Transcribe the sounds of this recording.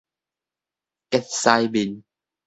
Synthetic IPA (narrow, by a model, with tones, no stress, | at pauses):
kɛ˦˥t̚sa˧jbi˨n